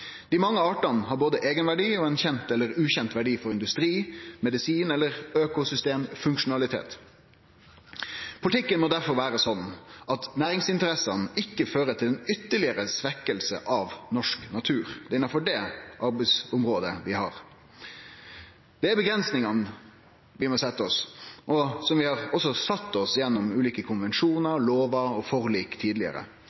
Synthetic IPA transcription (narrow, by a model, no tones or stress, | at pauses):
d̪̥ɪmɑŋːəɑːʈɑnhɑɾboːd̪əʔeːɡənʋæɖiːoːɛnçɛnt̪ɛlːəɾʉːçɛnt̪ʋæɖiːfɔɾɪnd̪ʉst̪ɾiːmɛd̪ɪsiːnɛlːəʁøːkʊsʏst̪eːmfʉŋkʃʊnɑlɪt̪ʰḛːt̪ | pʰʊlɪt̪ʰɪkːənmɔːd̪æɾfɔɾʋæːɾəsɔnːʔɑt̪næːɾɪŋsɪnt̪əɾɛsɑnɪkːəføːɾət̪ʰɪlɛnʏt̪ːəɭɪəɾəsʋɛkːəlsə̰ʔɑʋnɔʂknɑt̪ʰʉːɾd̪̥ɛɪnːɑfɔɖɛʔɑɾbɛɪsʊmɾoːd̪əʋɪhɑ̰ːɾ | d̪̥ɛæɾbəɡɾɛnsnɪŋɑn | ʋɪmɔsɛt̪ːɔsʔɔsɔmʋɪhɑɾɔsɔsɑt̪ːɔsjɛnːɔmʉːliːkəkʰʊnʋɛnʂuːnəɾloːʋɑɔfɔʁliːkt̪ʰiːd̪lɪə̰ɾə̰